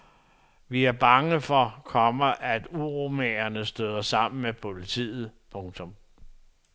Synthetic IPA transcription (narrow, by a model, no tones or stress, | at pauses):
ʋiæɐb̥ɑ̈ŋəfɒ̽kʰɒ̽mɐʔæd̥uʁomeɐnəsd̥øð̞ˠɐsɑ̈m̰n̩mepʰo̝lit͡sʰḭːð̞̩ˠpʰɔ̽ŋt͡sʰɔ̽m